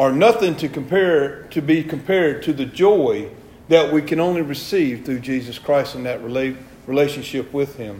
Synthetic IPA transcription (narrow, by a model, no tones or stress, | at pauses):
ə˞nʌθɪ̃ŋtʰɨkə̃mpʰɛɹtʰɨbikʰmpʰɛɹd̚tʰɨðɨd͡ʒɔɪ | ðɨʔ̚wikʰɨ̃ñõʊ̃nliɹɨsiv̥θɹʉd͡ʒizɨskʰɹ̥aɪstɨ̃n̩ðɨt̚ɹl | ɹileɪʃɨ̃nʃɪpwɪð̥ɪ̃m